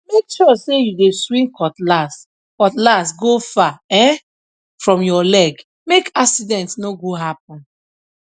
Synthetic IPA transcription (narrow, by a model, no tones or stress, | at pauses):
mekʃɔsejudeswĩŋkʰɔtlast | kɔtlastɡofaɛ̃ | fɹɔ̃mjɔlɛɡ | mekaksidɛ̃ntsnoɡoɦap̚ɔ̃n